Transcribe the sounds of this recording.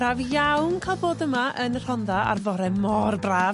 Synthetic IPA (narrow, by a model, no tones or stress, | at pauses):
ravjawnkʰaːlboːdəmaʔənər̥ɔndaa̰rvɔɾɛmɔrbraːv